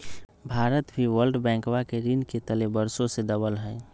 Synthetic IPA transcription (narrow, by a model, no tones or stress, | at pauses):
bʱaːɾət̪bʱiwəlɖbɛ̃ŋkwakeɾinket̪əlebəɾsõsed̪əbəlɦɛː